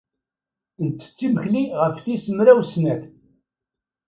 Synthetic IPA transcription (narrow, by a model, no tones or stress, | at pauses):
nt͡sːə̥t͡sːiməçliʁəfθisəmɾæwsnæθ